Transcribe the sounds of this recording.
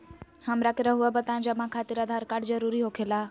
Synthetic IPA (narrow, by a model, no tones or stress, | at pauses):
həmɾakeɾaɦuabət̪ãnd͡ʒamãkʰaːt̪iɾaːd̪ʱaɾkaːɽd͡ʒəɾuɾiɦokʰela